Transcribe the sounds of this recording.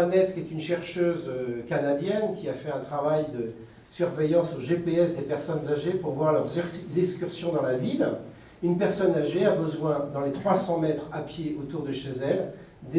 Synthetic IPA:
anɛt̪kʲiɛt̪ynʃɛʁʃøzøkanad̪jɛnkʲiafɛɛ̃t̪χavajd̪ə | syʁvejɑ̃soʒepeɛsd̪epɛʁsɔnzaʒepuʁvwaʁlœʁzɛskʲyʁsjɔ̃d̪ɑ̃lavil | ynpɛʁsɔnaʒeabəzwɛ̃d̪ɑ̃let̪χwasɑ̃mɛt̪χapjeot̪uʁd̪əʃezɛl | d̪e

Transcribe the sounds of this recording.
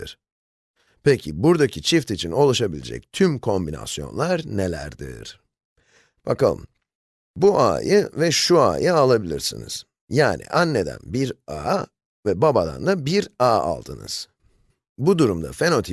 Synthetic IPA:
iɾ̥ | pʰecʰibuɾd̪acʰit͡ʃʰift̪it͡ʃʰino̞lˠaʃabilʲḛd͡ʒɛ̰c̚t̪ʰymkʰo̞mbina̰sjo̞̰nlˠaɾnelʲæ̰ɾd̪ḭɾ̥ | b̥akalˠɯ̰m | buʔa̰ːjɯvɛʃua̰ːjɯalˠabilʲiɾsḭnḭz̥ | jaːnḭʔanːe̞d̪æ̰nbiɾaː | vɛbabad̪a̰nd̪abiɾaːa̰lˠd̪ɯnɯ̰z̥ | bud̪uɾumd̪a̰fe̞no̞t̪ʰi

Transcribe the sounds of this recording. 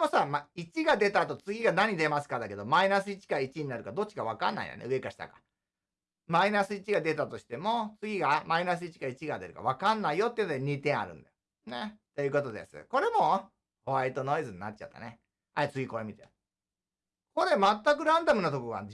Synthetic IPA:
mosamait͡ɕiɡad̪e̞t̪at̪o̞t͡sɨɡʲiɡanaɲ̟id̪e̞masɨ̥kad̪ake̞d̪o̞mainas̬ɨit͡ɕi̥kait͡ɕiɲ̟inaɾɯ̟kad̪o̞t̚t͡ɕi̥kaβakã̰nːa̰ḭd̪ḛnḛɯ̟e̞kaɕi̥t̪a̰kḁ | mainasɨit͡ɕiɡad̪e̞t̪at̪o̞ɕi̥t̪e̞mo̞t͡sɨɡʲiɡamainas̬ɨit͡ɕi̥kait͡ɕiɡad̪e̞ɾɯ̟ka̰β̞akanːaijo̞t̪ːeiɯnod̪eɲ̟it̪ẽ̞ɰ̃a̰ɾɯ̟̃nd̪ajo | net̪e̞jɯ̟ko̞t̪o̞d̪ḛsɨ̰ko̞ɾe̞mo̞ | oβait̪o̞no̞izɨɲina̰t̚ːt͡ɕa̰t̪ːa̰ne | aet͡sɨɡʲiko̞emʲit̪e | ko̞ɾe̞mat̪ːakɯ̟ɾãnd̪amɯ̟nat̪o̞koɡa̰

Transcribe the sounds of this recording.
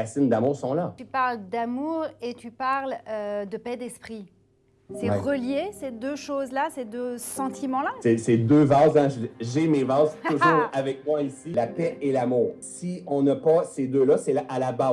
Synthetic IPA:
asɪnd̪amuːʁsɔ̃lat̪ypaʁld̪amuʁet̪ypaʁlød̪əpɛd̪ɛspχi | sɛɛʁəljesed̪øʃozlased̪øsɑ̃t̪ʰimɑ̃lasɛsed̪øvazɛ̃ʒʒemevazuʒuːʁavɛk̚mwaisilapɛelamuːʁsiɔ̃napʌsed̪ølʌsɛalaba

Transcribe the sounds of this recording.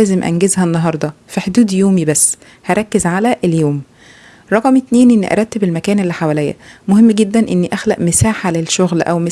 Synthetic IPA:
æːzemʔæ̰nɡezhænːɑɦɑɾˤd̪ˤɑfæħod̪uːd̪joːmibæsː | hæɾˤɑkːezʕalæʔeljoːm | ɾˤɑqɑmet̪neːnʔenːḭʔɑ̰ɾˤɑt̪ːebelmækæːnelːiħawælejːæ̰mohemːɡed̪ːænʔenːiʔæxlæʔmesaːħalelʃoɣlʔæ̰wme

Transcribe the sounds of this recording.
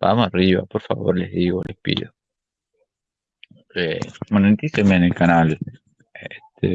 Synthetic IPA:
b̥a̰mosariβa̰poɾfa̰βo̰ɾleðiɣolʔespḭðo | emonẽnt̪isemenelkanal | et̪e

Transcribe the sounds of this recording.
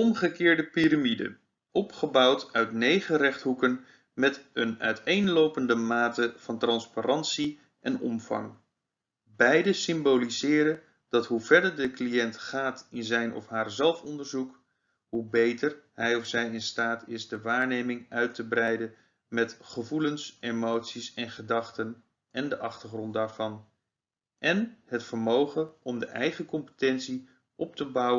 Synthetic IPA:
ɔmχəkɪːɹdəpiɾamidə̰ | ʔɔpχəbɑwtœɥtnejχərɛχtɦukən | mɛtənœ̰ɥtejnlowpəndəmaːtəv̥ɑntrɑnsparɑntsi | ʔɛnɔ̰mvɑ̰ŋ | bɛjdəsɪmbolizɪːɾən | d̥ɑtɦuvɛɹdəɹdəklijɛntχaːtɪnzɛjnʔɔ̰fɦaːɹzɛlˠfɔndəɹzuk | ɦubejtəɹɦɛjɔfsɛjɪnstaːtʰɪsdəʋaːɹnejmɪŋœɥtəbrɛjdən | mɛtχəvulənsemowtsisɛnχədɑχtən | ʔɛndəʔɑχtəɹχrɔnt̚daːɹv̥ɑn | ʔɛnhətfəɹmowχənɔmdəʔɛjχəkɔmpə̥tɛntsi | ʔɔp̚təbʌw

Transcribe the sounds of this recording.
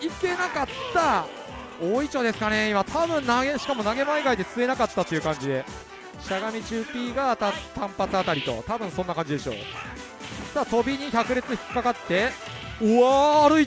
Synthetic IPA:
ike̞nakat̪ːa | oːit͡ɕo̞ːd̪e̞sɨ̥kane̞imat̪ʰabɯ̟̃nnaɡeɕi̥kamo̞naɡe̞maiɡaid̪e̞t͡sɨe̞nakat̪ːat̪ːeiɯ̟kãɲ̟d͡ʑid̪e̞ | ɕaɡamʲit͡ɕɨːpʲiːɡat̪at̪ãmpat͡sɨat̪aɾʲit̪o̞̰t̪abɯ̟̃ɰ̃sõ̞nːakãɲd͡ʑid̪e̞ɕo̞̰ː | t̪at̪o̞bʲiɲ̟içakɯ̟ɾʲe̞t͡sɨçi̥kʲi̥kːakat̪ːe̞ | aːɾɯ̟i

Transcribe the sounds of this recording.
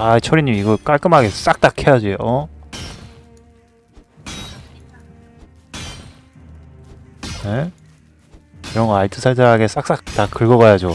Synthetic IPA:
ait͡ɕʰʌɾiɲimiɡʌk͈aɭk͈ɯmɦaɡe̞s͈ak̚t͈akʰejad͡ʑioʌ | ne | iɾʌnɡʌaɭtʰɯsʰaɭtʰeɦaɡe̞s͈ak̚s͈ak̚t͈akɯɭɡʌɣajad͡ʑo

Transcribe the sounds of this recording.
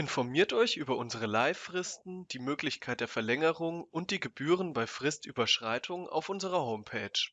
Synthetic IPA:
ʔɪnfɔɐmiːɐtʔɔʏçʔyːbɐʔʊnzəʁ̞əlaɪfʁ̥ɪstn̩d̥iːmøːklɪçkʰaɪt̚d̥eːɐfɛɐlɛŋəʁʊŋʊnt̚d̥iːɡəbyːʁ̞ənbaɪfʁ̥ɪstʔyːbɐʃʁ̥aɪtʰʊŋa̰ʊfʔʊnzəʁɐɦoʊmpʰɛːt͡ʃ

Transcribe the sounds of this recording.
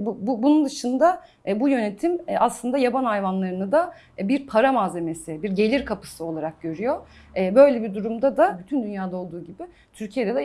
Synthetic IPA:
bububunund̪ɯʃɯnd̪a | ɛbujø̞net̪ʰimɛaslˠɯnd̪ajabanajvanlˠaɾɯnɯd̪a | biɾpʰaɾamaːze̞me̞sɪbiɾɟe̞lʲiɾkʰapɯ̥sɯo̞lˠaɾak̚ɟø̞ɾyjo | ɛːbø̞jlʲebid̪uɾumd̪ad̪abyt̪ʰynd̪ynjaːd̪ao̞lˠd̪uːɟibɪ | t̪ʰyɾcʰije̞d̪ɛd̪ɛ

